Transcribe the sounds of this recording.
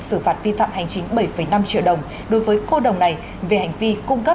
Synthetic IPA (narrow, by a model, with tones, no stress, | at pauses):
sɨ˧˩faː˨˩t̚vi˧fa̰ː˧˨mha˨˩jŋ̟t͡ɕï˨˦ŋ̟ɓə˧˩jfə˧˩jna˧mt͡ɕḭ˧˨wɗə˨˩wŋ͡m | ɗo˨˦jvəː˨˦jko˧ɗə˨˩wŋ͡mna˨˩j | ve˨˩ha˨˩jŋ̟vi˧kʊ˧ŋ͡mkə˦˥